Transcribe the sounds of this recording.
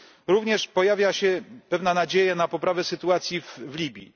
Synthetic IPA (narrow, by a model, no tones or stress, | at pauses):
ɾuvɲɛʂpɔjavʲjaɕɛpɛvnanad͡ʑejɛnapɔpɾavɛsɘt̪uat̪sʲjivvlʲibʲjḭ